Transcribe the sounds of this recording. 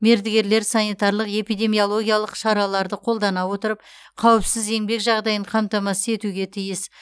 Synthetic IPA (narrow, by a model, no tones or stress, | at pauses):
me̞ɾd̪ɪɡʲe̞ɾle̞ɾsɑnijt̪ɑɾlˠəqe̞pijd̪e̞mijo̞lˠo̞ɡʲijɑlˠəqʃɑɾɑlˠɑɾd̪əqʰo̞lˠd̪ɑnɑwo̞t̪əɾəp̚ | qʰɑwəpsɪze̞ŋbe̞kʒɑʁd̪ɑjəɴqʰɑmt̪ɑmɑsəe̞t̪uɡʲe̞t̪ʰijɪs